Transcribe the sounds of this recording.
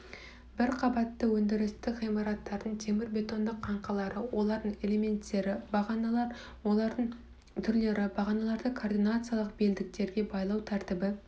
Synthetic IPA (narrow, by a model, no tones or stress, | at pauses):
bɪɾqʰɑbɑt̪ːəwɵnd̪ɪɾɪst̪ɪʁijmɑɾɑt̪ːɑɾd̪əɴt̪ʰe̞mɪɾbʲe̞t̪o̞nd̪əqʰːɑɴqɑlˠɑɾəwo̞lˠɑɾd̪əɴe̞le̞me̞nt̪ːe̞ɾɪbɑʁɑnɑlˠɑɾ | wo̞lˠɑɾd̪əɴ | t̪ʰʏɾle̞ɾɪbɑʁɑnɑlˠɑɾd̪əkʰord̪ijnat̪sɨjalˠəq̚beld̪ɪk̚t̪e̞ɾɡʲe̞bɑjlˠɑwt̪ʰæɾt̪ɪbɪ